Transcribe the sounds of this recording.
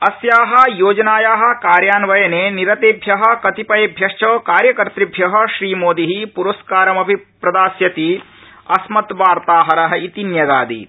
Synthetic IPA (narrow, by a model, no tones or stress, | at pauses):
ɐsjaːɦɐ̆joːd͡ʒɐnaːjaːɦɐ̆kaːɾjaːnʋɐjɐneːniɾɐt̪eːbʱjɐɦɐ̆kɐt̪ipɐjebʱjɐʃt͡ʃɐːkaːɾjɐkɐɾt̪ɾibʱjɐɦɐ̆ʃɾiːmoːd̪iɦipuɾɐskaːɾɐmɐbʱipɾɐd̪aːsjɐt̪i | ɐsmɐt̪ʋaːɾt̪aːɦɐɾɐɦɐit̪injɐɡ̪aːd̪ḭ